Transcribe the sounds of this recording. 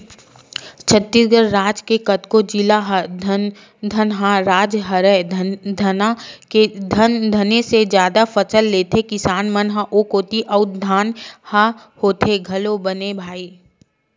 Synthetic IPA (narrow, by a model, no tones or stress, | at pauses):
t͡ʃʰət̪ːɪɾɡəɾːaːd͡ʒkekɐt̪kod͡ʒilaɦ | d̪ʱɐnɦãɾaːd͡ʒɦɐɾɛd̪ʱɐnaked̪ʱənd̪ʱɐnesed͡ʒjaːd̪afɐsəlːeːt̪ekɪsaːnmənɦaʔoːkoːt̪iʔɐʊd̪ʱaːnha | hoːt̪ʰeɡʱɐlobənebʱaːiː